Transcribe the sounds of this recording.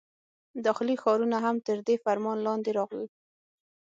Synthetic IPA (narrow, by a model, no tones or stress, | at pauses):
d̪ɑxlixɑɾunaɦamt̪əɾd̪efaɾmɑnlɑnd̪eɾɑɣli